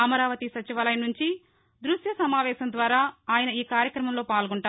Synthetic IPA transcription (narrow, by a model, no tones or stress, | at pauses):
ɐmɐɾaːʋɐt̪isɐt͡ʃiʋɐːlɐjnuɲt͡ʃi | d̪ɾuʃjɐsɐmaːʋɛːʃɐnd̪ʋaːɾaːaːjɐnɐiːkaːɾjɐkɾɐmɐmlo̞ːpaːlɡuɳʈaː